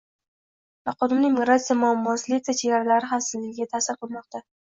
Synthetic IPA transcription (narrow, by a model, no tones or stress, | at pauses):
vaqʰɒd̪ɪmnɪŋmiɡɾat̪sijamʊamːɒsɪlɪk̚ʲt̪at͡ʃʰeɡʲaɾalaɾɪχasɪzlɪɡʲɪɡʲat̪ʰasɪɾqɨlˠmɒq̚t̪a